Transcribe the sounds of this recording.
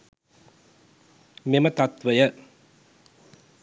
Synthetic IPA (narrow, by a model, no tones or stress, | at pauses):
memɐt̪ɐt̪ʋɐjɐ